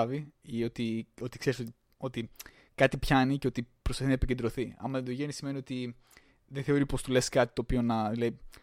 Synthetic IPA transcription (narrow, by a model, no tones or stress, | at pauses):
viio̞t̪io̞t̪i̥kseɾisot̪i | o̞t̪i | kɐt̪ipçɐniceo̞t̪ipɾosfɐθinɐepice̞nd̪ɾo̞θiɐ̰mɐend̪oʝenisime̞nio̞t̪i | ðeθeo̞ɾipo̞st̪ule̞skɐt̪i̥t̪oːpio̞nɐðilɐi